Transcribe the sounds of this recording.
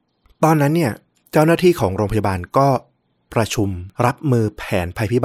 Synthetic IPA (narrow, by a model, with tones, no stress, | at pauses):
t̪ɔː˧nːa˦˥nːi˥˩ɐ | t͡ɕa˥˩wnaː˥˩t̪ʰiː˥˩kʰɔː˩˦ŋɾoː˧pa˧ja˧baː˧nkɔː˥˩ | pɾa˧t͡ɕʰu˧mɾa˦˥p̚mɯː˧pʰɛː˩˦npʰa˧jpʰi˦˥ba